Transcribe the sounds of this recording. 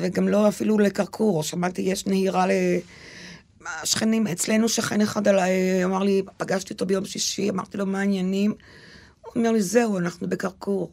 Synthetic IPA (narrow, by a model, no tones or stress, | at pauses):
veɡamlo̞afilulekaʁkʰuʁoʃamaʁt̪ijeʃnehiʁale | ʃχenimet͡sle̞nuʃaχeneχad̪alajamaʁlipaɡaʃt̪iot̪obejo̞mʃliʃiama̰ʁt̪ilo̞maːinjanim | ome̞ʁlize̞uanaχnube̞kaʁkuʁ